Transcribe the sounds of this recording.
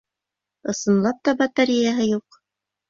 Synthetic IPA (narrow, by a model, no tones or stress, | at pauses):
ɤ̆sɤ̆nlˠɑp̚t̪ɑbɑt̪aɾʲijaɦɤjuq